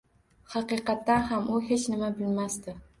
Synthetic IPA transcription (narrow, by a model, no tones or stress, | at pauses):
hɑqɨqɑt̪ːanɦamʔʊhet͡ʃnɪmabɪlmast̪ɪ